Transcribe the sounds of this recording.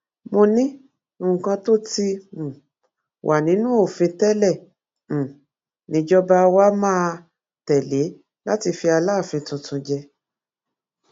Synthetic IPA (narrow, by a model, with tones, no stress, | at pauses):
mo˧nĩ˦ | o˦˨ũ˨kã˧to˦ti˧m̩̃˨ | wʔa˨nĩ˨˦nũ˦o˦˨fĩ˧tɛ˦lɛ˦˨ | m̩̃˨ | nĩ˨˧˦d͡ʒɔ˦ba˦˧wa˦mãː˦˧ | tɛ˨le˨˦ | la˦ti˧fi˧a˧laː˦˨fĩ˧tũ˧tũ˧d͡ʒɛ˧